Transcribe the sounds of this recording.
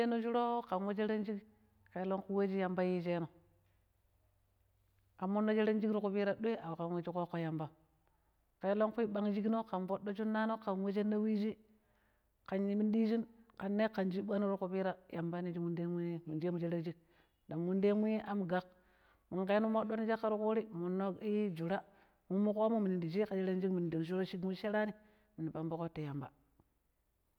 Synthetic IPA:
e˦no˦d͡ʒu˦ɾo˦ka˨nwe˦d͡ʒe˦ɾe˦nd͡ʒi˦k | ke˨˦lo˦ŋku˦we˦d͡ʒi˦ja˨mba˦ji˦t͡ʃe˦no˨ | a˨mːu˦nːo˦d͡ʒe˦ɾe˦nd͡ʒi˦kɾi˦ku˨bi˦ɾa˦ɗo˦e˦a˨wka˨nwe˦t͡ʃi˦ko˦kːo˨ja˨mba˦ | ke˨˦lo˦ŋku˦i˦ɓa˦ŋd͡ʒi˦kno˦ka˨mbo˦ɗːo˦t͡ʃu˦nːa˦no˦ka˨nwe˦d͡ʒe˦nːa˦wi˦d͡ʒi˦ | ka˨nji˨mi˦ndi˦d͡ʒi˦nka˨nːe˦ka˨nd͡ʒi˦ɓa˦no˦ɾu˦ku˨pi˦ɾa˦ja˨mba˦ni˦d͡ʒi˦mu˦nde˦mu˦mu˨nd͡ʒe˦mu˨d͡ʒe˦ɾe˦d͡ʒi˦ɡ̚ | da˨mwu˦nde˦mu˦je˦ʔa˨m˨ɡa˨k̚ | mu˨ŋke˦nu˦mo˦ɗo˦ni˦d͡ʒa˦kːa˨˦ɾu˦ku˦ɾi˦mu˨nːo˦i˦d͡ʒu˨ɾa˦ | mu˦mu˦ko˦mu˦mi˨ni˨ndi˨d͡ʒi˦ka˨d͡ʒe˦ɾe˦nd͡ʒi˦kmi˨n˨di˨ŋʃ̬u˦ɾo˦ʃi˦ɡmu˦ʃe˦ɾa˦ni˦ | mi˨ni˨ba˨mbo˦ko˦te˨ja˨mba̰˨

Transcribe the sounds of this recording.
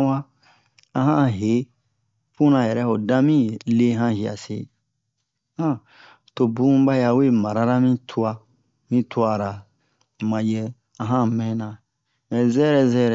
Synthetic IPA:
wã˦ | ã˧ɦã˦ɦe˨˦ | fũ˦nã˧˨jɛ˨ɾɛ˦ho˨dã˦mĩ˦le˦ɦã˦hi˨a̰˨sḛ˨ | hã˦˨ | to˨bũ˦ba˦ja˧we˦˨ma˨ɾa˦ɾa˦mĩ˦tʰu˧a˧ | mĩ˦tʰu˦a˧˨ɾa˨ | mã˨jɛ˧ | ã˧˨ɦã˦mɛ̃˦nã˨ | ɛ˨zɛ˦ɾɛ˧zɛ˦ɾɛ˨

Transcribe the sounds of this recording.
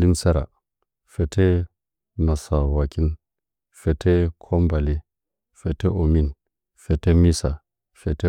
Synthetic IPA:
li˦msa˦ɾa̰˨ | fe˨tʰe˦ | ma˨sa˨wa˨ki˦n | fe˨tʰe˦kʰo˦mba˨li˦ | fe˨te˦ʔo˨mi˦n | fe˨te˦mi˦sa̰˨ | fe˨te˦

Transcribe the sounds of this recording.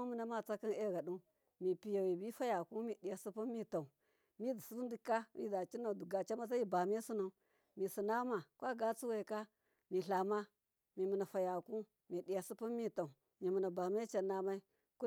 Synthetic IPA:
mə˨na˦ma˦t͡sa˦ki˦ne˦˨ɡa˨ɗu˦ | mi˨pi˨ja˨wi˨bi˦fa˦ja˨ku˦mi˨ɗi˨ja˨su˦pu˦mi˦ta˨u˨ | mi˦di˨su˦ɾu˦n˦di˦ka˦ḭ˦da˨t͡ʃi˦na˨du˨ɡa˨t͡ʃa˦ma˦sa˦ji˦ba˨m˦e˦su˦na˨u˨ | mi˨si˨na˦ma˨kʷa˦ɡa˦t͡su˦we˨ka˦ | mi˨ɬa˨ma˦ | mi˨mu˨na˨fa˨ja˨ku˦ | mi˨ɗi˨ja˨su˦pu˦mi˦ta˨u˨ | mi˨mu˨na˨ba˨m˦e˦t͡ʃa˨na˦ma˦i˦ | ku˦

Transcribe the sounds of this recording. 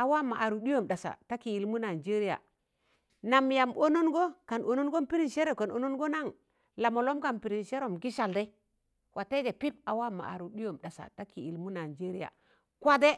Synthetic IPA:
a˨wa˦ma˨ʔa˨ɾu˨di˦jo˦˨mɗa˨sa̰˨ta˦ki˨i˨lmu˦na˨d͡ʒe˦ɾi˦ja̰˨ | na˨mja˨mo˦no˦nɡo˦ka˨nʔo˨no˦nɡo˦mpi˦ɾi˦˨ʃe˦ɾe˨ko˨no˨no˦nɡo˦na˦˨ŋ | la˨mo˨lo˦mka˨npi˨ɾi˨nʃe˦ɾo˨mɡi˦ʃa˨lde˦ | wʔa˨te˦ɡe˨pi˦p̚a˨wa˦ma̰˨a̰˨ɾu˨ɗi˦jo˨mɗa˨sa̰˨ta˦ki˨i˨lmu˦na˨d͡ʒe˦ɾi˦ja̰˨ | kʷa˦de˦

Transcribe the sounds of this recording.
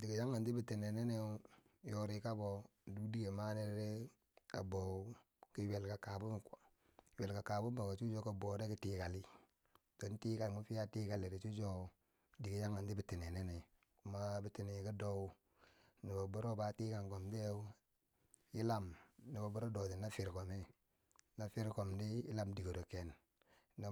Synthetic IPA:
di˨ɡi˨ja˦ŋɡa˨ndi˦bi˨ti˨ne˨ne˦ne˦ | jo˦ɾi˨ka˦bo˨ | du˦di˦ɡe˨ma˦ne˦ɾɾe˦ | a̰˨bo˨˦ | ki˦we˨lka˨ka˨bu˦m˨ko˨ | we˨lka˨ka˨bu˦mba˨ka˨t͡ʃu˦d͡ʒo˦ka˦bo˨˦ɾe˦ki˦tiː˨ka˨li˦ | do˨n˦tiː˦ka˨lmu˦fi˦a˦tiː˦ka˨li˨ɾi˨t͡ʃu˦d͡ʒo˦˨ | di˨ɡi˦ja˦ŋa˨ndi˦bi˦ti˨ni˨ne˦ni˨ | ku˨ma˦bi˦ti˨ni˨ki˦do˦ | ni˨bo˨bu˦ɾo˦ba˨˦tiː˦ka˨ŋko˨mde˦ | i˦la˦mni˨ba˨bu˦ɾo˦do˨di˨na˦fi˨ɾko˨me˦ | na˨fi˦ɾko˨mdi˦i˦la˦mdi˨ɡo˨ɾo˨ke˨n | na˨

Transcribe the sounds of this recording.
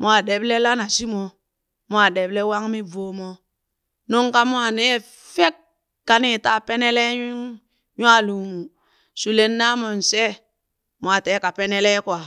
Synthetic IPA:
m˨˦a˨de˨˦ble˦la˦na˨si˦mo˨ | mo˦a˨de˨ble˦wa˦ŋmi˦vo˨mo˦ | no˦ŋka˦mo˦a˨nɛ˦ | fe˦kː | a˨ni˦˨ta˦˨pe˦ne˦le˦ | ɲu˦a˦˨lu˨mu˨ | su˨le˦nːa˦mo˨n̩˨se˦ | mo˨a˨te˨˦ka˨pe˦ne˦le˦kwa˨

